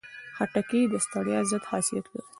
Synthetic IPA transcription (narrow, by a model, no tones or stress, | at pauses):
hɐʈɐkiːd̪ɐst̪ɐɽjazɐt̪haːsijɐt̪wḛ